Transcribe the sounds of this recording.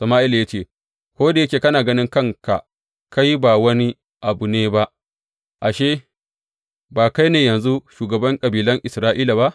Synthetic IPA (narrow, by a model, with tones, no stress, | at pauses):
sɐ˨maː˦ʔɪ˦ljaː˦t͡ʃeː˦˨ | kʷoː˦da˨jɐ˦kʲeː˨kɐ˦naː˨ɡɐ˦nɪ˦ŋkɐ˦ŋka˨ | ka˦jbaː˨wɐ˦ni˦ | ʔa˨bu˨neː˦ba˦ʔ | ʔa˨ʃeː˦ | baː˨ka˦jneː˨jɐ˨nzu˦ʃuː˨ɡɐ˨bɐ˦ŋkʼɐ˨biː˨lɐ˦ŋʔɪ˨sɾaː˦ʔiː˦la˨βa˦ʔ